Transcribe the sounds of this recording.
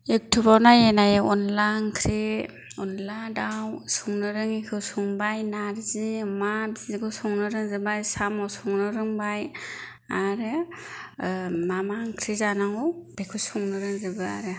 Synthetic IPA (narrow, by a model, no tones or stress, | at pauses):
ek̚tʰɯbawnajenajeɔnlankʰɾi | ɔnladawsuŋnɯɾɯŋikʰɯwsuŋbajnaɾzimabiziɡɯwsɔŋnɯɾɯŋzɯbajsamawsuŋnɯɾɯŋbaj | aɾɯ | mamaŋkʰɾizanaŋɯwb̥ekʰɯsuŋnɯɾɯŋzɯbɯa̰ɾɯ